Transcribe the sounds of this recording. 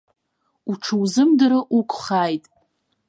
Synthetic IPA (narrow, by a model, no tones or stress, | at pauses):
uʈ͡ʂʰɨwzɨmdɨɾɨʔukʷʰʼχaːjtʼ